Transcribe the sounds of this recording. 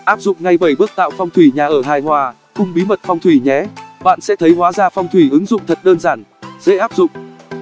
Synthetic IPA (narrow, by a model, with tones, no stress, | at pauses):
ʔaː˦˥p̚zʊ̰˧˨ŋ͡mŋa˨˧jɓə˧˩jɓɨ˦˥ək̚t̪a̰ː˧˨wfɔ˧wŋ͡mt̪ʰwi˧˩ɲaː˨˩ʔəː˧˩ɦaː˨˩jhwaː˨˩ | xʊ˧ŋ͡mɓi˨˦mə˨˩t̚fɔ˧wŋ͡mt̪ʰwi˧˩ɲɛ˨˦ɓa̰ː˧˨nsɛ̰˧˥t̪ʰə˨˦jɦwaː˨˦zaː˧˩fɔ˧wŋ͡mt̪ʰwi˧˩ʔɨ˨˦ŋzʊ̰˧˨ŋ͡mt̪ʰə˨˩t̚ɗəː˧nzaː˧˩n | z̥ḛ˧˥ʔaː˦˥p̚zʊ̰˧˨ŋ͡m